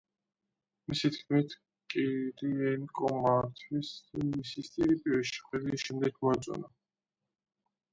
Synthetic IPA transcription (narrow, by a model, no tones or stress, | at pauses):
misit̪ʰkʰmit̪ʰ | kʼiɾiɛnkʼɔmat̪ʰwismmisist̪ʼiɾipʼiɾɛʃi̥χɛd̪iʃɛmd̪ɛkʰmɔat̪sʼɔ̰na